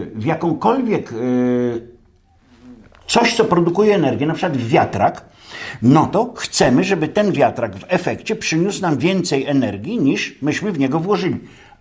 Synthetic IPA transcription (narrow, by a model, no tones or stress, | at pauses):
vʲjakɔ̃w̃kɔlvʲjɛk | t̪sɔɕt̪sɔpɾɔd̪ukujɛːnɛɾɡʲjɛnapʂɘ̥kwad̪vːʲjat̪ɾak | nɔt̪ɔxt̪sɛmɘʐɛbɘt̪ɛnvʲjat̪ɾaɡvɛfɛkt͡ɕɛpʂɘɲusnamvʲjɛnt̪sɛjɛnɛɾɡʲjiɲiʂmɘɕmɘvɲɛɡɔvwɔʐɘlʲi